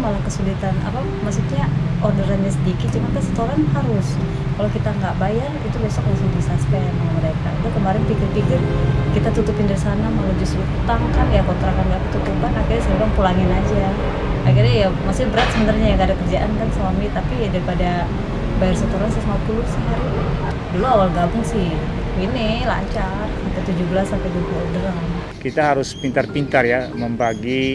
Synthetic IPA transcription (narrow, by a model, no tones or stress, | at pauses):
malahkəsulit̪ana̰pa | maksut̪ɲaordəɾanɲasədikɪt̪̚t͡ʃumakasə̥t̪oɾanɦaɾʊs | kalawkit̪aŋɡaʔbajarit̪ubesɔk̚ust̪uisaspeanaŋaməɾeka̰udakəmaɾɪnpikɪrpikɪrkit̪at̪ut̪upɪndaɾisanamalud͡ʒust̪ɾut̪aŋkanjakot̪ɾakanɡaʔt̪ut̪ukəbanakirɲasəoɾaŋpulaŋɪnad͡ʒa | akirɲajamasɪhbəɾat̪̚səbənaɾiɲajaŋɡadakərd͡ʒaʔankanswamit̪apiadaɾipada | baɛrsat̪uɾansasmat̪̚ulusɪ | duluawalɡabʊŋsɪhinila̰ɲt͡ʃarit̪at̪ud͡ʒubəlasːampajdut̪uadəɾaŋ | kit̪aɦaɾʊspint̪arpint̪arjaməmbaɡi